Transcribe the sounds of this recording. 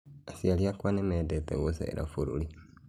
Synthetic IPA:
asialiakwanɛmɛdɛt̪ɛ̰ɡosɛ̰ḛɾa̰foɾṵli

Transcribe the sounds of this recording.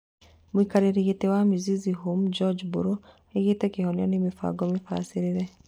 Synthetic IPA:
muikaɾeɾeɣetewamiziziɦomd͡ʒɔd͡ʒbuɾo | eɣetɛkehɔnjanemifa̰ɡɔmifa̰siɾeɾɛ

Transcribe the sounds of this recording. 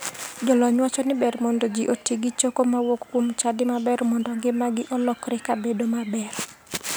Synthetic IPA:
d͡ʒɔlɔɲwat͡ʃɔnɪbɛrmɔndod͡ʒiʔotiɡit͡ʃokomawokːwomt͡ʃadɪmabɛɾmɔndɔŋɡɪmaɡɪʔɔlɔkɾɛkabedomabɛr

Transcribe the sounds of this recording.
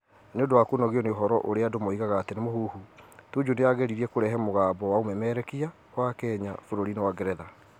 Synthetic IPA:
neondowakonɔɣeɔneoɦɔɾɔ̰ʔoɾeadomoiɣaɣaːtenemoɦuhutud͡ʒuneaɣɛɾiɾiɛkoɾɛɦɛmoɣaːbɔwaomɛmɛɾɛkia | wakɛɲafoɾoɾinewaɡɛɾɛða

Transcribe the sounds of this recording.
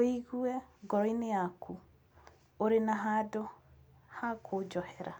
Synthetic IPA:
oiɣuɛɡɔɾɔineakʰu | oɾenaɦaːdo | hakʰod͡ʒɔhɛɾa

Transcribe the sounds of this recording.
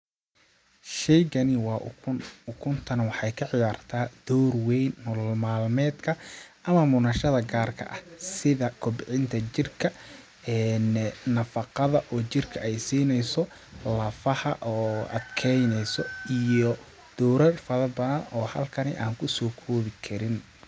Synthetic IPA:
ʃɛjɡɐnɪwɑːʊkʰʊnt̪ʰɐnɐwɑħɑjkʰɐʕɪjaːrt̪ʰaːd̪̥ɔːrwɛjnːʊllmaːlmɛːd̪kʰɐʔɐmɐmʊnɐʃɐðɐɡaːrkʰɐ̰ʔɐhsɪðɐkʰʊbɪʕɪnt̪ʰɐt͡ʃɪrkʰɐ | ɛːnnɐfɑqɑðɐʔɔːt͡ʃɪrkʰɐʔɛjsiːnɛjsɔ | lɐfɐhɐʔɔːʔɐ̰d̪kʰɛjnɛjsɔijɔ | d̪̥ɔːɾɐrfɐðɐbɐðɐnɔːhɐlkʰɐnɪ̰ʔaːŋkʰʊsɔːkʰɔːβɪkʰɐɾɪn

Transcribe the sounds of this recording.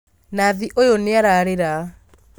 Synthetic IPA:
naðiʔojoneaɾaɾeɾa

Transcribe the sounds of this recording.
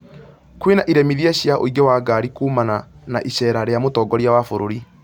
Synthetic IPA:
kwenaʔiɾɛmiðjaɕjaʔo̰iɡewaɡaɾikuːmananaʔiɕɛɾaɾeamotɔːɡɔɾjawafoɾoɾi

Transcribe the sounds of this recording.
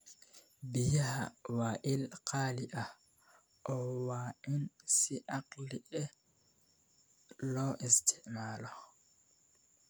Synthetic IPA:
bijaha̰waːʔilqʰaːliʔa | ʔɔwaːʔinsiʔaqliʔɛ | lɔʔɛstʰɛʔmaːlɔ

